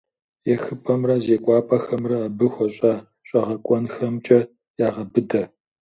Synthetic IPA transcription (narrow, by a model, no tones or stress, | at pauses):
jɛxɨpʼɐmrɐzeːkʷʼɑːpʼɐxɐmrɐːbɨxʷɔɕʼaː | ɕʷʼɐʁɐkʷʼɔnxɐmt͡ʃʼɐ | jaːʁɐbɨdɐ